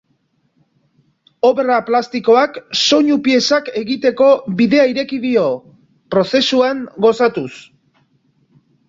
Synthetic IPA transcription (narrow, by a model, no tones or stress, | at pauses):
o̞βeraplast̪iko̞akso̞ɲupie̞sake̞ɣit̪e̞ko̞βiðe̞aiɾe̞kiðio̞ | pɾo̞se̞suaŋɡo̞sat̪us